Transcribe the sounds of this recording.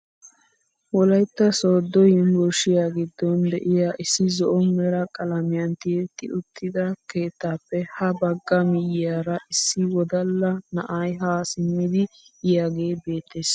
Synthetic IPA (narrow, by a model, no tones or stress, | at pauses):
wɔlɐjt̪ːɐsoːd̪ːɔjɪnbɔʃɪjaːɡɪd̪ːɔnd̪ɛʔɪjaːʔɪsːɪzɔʔɔmːɛɾɐkʼɐlɐmɪjɐnt̪it̪ːɪʔʊt̪ːɪd̪ɐke̞ːt̪ːaːpːɛhɐbɐɡːɐmɪjɪjaːɾɐʔɪsːɪwɔd̪ɐlːɐnɐʔɐjɦaːsɪmːɪd̪ɪjaːɡe̞ːbe̞ːt̪ʰːeːs